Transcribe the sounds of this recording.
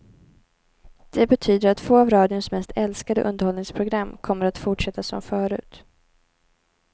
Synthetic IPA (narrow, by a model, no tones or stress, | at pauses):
d̪̥ɛbɛt̪ʰyːd̪əɾat̪foːavɾɑːd̪jʊnsmɛst̪ʰɛlskad̪ə̰ʔɵ̰nd̪əɾhɔlnɪŋspʰɾʊɡɾamːkʰɔmːəɾat̪fʊʈʂɛt̪ːasɔ̰mfœːɾʉ̟ːt̪